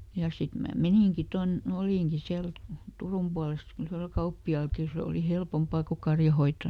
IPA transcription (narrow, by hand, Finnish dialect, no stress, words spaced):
jɑ sit mæː meniŋki ton oliˑŋki siæl turum puɑles yhrel kɑupːiɑˑlki seˑ oli helpompɑˑ ko kɑrjɑhoitːo